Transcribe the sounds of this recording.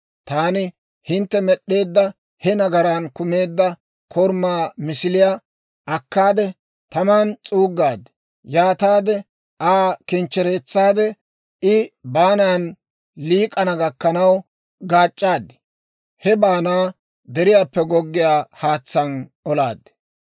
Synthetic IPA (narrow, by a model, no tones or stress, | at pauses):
t̪aːnɪ | hɪnt̪ːɛmɛɗːe̞ːd̪ːɐ | hɛnɐɡɐɾankʊme̞ːd̪ːɐ | kʰɔɾmːaːmɪsɪlɪja | ʔɐkːaːd̪ɛ | t̪ɐmaːnt͡sʼuːɡːaːd̪ɛ̥ | jaːt̪aːd̪ɛ | ʔaːkɪnt͡ʃːɛɾe̞ːt͡sːaːd̪ɛ | ɪbaːnaːn | liːkʼɐnɐɡɐkːɐnɐw | ɡaːt͡ʃʼːaːd̪ːɪ̥ | hɛbaːnaː | d̪ɛɾɪjaːpːɛɡɔɡːɪjaːhaːt͡sːɐnɔlaːd̪ɛ̥